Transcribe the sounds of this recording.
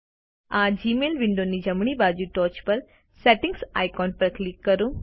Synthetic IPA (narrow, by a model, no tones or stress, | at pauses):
ãːd͡ʒiːmeːlʋɪ̃ɳɖonid͡ʒɐmɳ̃ibaːd͡ʒuʈɔːt͡ʃpɐɾ | sɛːʈɪ̃ŋɡsa̰ːjkɔːnpɐɾklɪkːɐɾũ